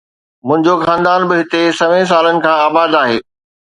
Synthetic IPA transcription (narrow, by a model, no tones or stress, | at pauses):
mʊ̃ɦɪ̃ɲd͡ʑoxãːnd̪aːnbɪɦɪt̪esɐʋẽs̬aːlənɪ̆kʰãːaːbaːd̪aːɦeː